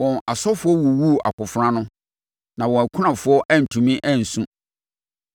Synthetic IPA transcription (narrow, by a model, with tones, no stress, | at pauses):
wɔ̃˨na˨sɔ˦fʊ˦ɔ˦wu˨wu˦˨a̰˨kʊ˨fɾã˦nʊ̃˦ | nã˨wɔ̃˨æ˨kʷʰu˦nã˨fʊ˨ɔ˦ʔæ˦n̩˨tʰũ˨mĩ˦ʔæ˦˨n̩˨sũ˦